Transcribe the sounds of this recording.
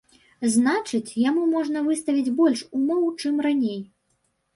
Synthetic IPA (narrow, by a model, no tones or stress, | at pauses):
znat͡ʂɨt͡sʲjamumɔʐnɐvɨst̪ɐvʲid͡zʲbɔlʲʂumɔwt͡ʂɨmranʲej